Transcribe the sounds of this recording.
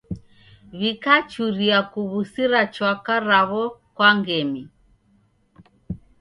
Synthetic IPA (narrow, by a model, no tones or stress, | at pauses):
βikat͡ʃuɾiakuβusiɾat͡ʃwakaɾaβɔkwaŋɡɛmi